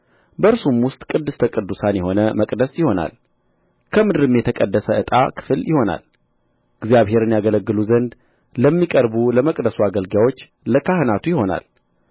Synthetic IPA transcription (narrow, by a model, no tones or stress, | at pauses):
bəɾsumwʊst̪ʼkʼɨd̪ːɨst̪ʰəkʼɨd̪ːusanjɛɦo̞nəməkʼd̪əsjɪho̞na̰l | kʰəmɨd̪ɨɾɨmjɛt̪ʰəkʼəd̪ːəsəɨt̪ʼa̰kʰɨ̥fɨljɪho̞na̰l | ɪɡzjaβhe̞ɾɨnjaɡələɡːɨluzənd̪ | ləmːikʼəɾbuləməkʼd̪əsuaɡəlɡawo̞t͡ʃː | ləkʰahɨnat̪ʰujɪho̞na̰l